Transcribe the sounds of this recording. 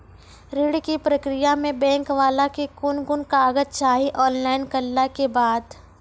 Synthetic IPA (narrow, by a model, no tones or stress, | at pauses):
ɾɪɽkipɾəkɾɪjamẽbɛ̃ːŋkʋaːlakekʊnɡʊnkaːɡət̪t͡ʃaːɦiʔɔːnlaːɪnkɐlːakebaːd̪